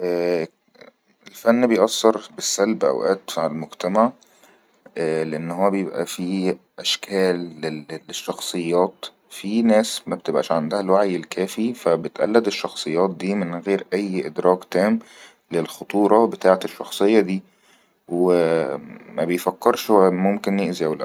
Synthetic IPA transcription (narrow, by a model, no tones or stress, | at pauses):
ʔæː | elfænːbejʔɑsːɑɾˤbesːælbʔæ̰wʔæːt̪fʕalmoɡt̪æmaʕ | ʔːleʔenːhoːæbejebʔæ̰fi | ʔæʃkʰæːlːeleʃːɑxsˤɨjːɑːt̪ | finæːsmæb̚t̪ebʔæ̰ʃʕand̪æhælwaʕjelkæːfifæbet̪ʔæ̰lːæd̪eʃːɑxsˤɨjːɑːt̪̚d̪iːmenɣeːɾʔæjːʔed̪ɾɑːkt̪æːm | lelxot̪ˤuːɾˤɑbet̪aːʕet̪eʃːɑxsˤejːɑd̪iː | we | mæbejfækːeɾʃhowmomkenjeʔziæwlæ̰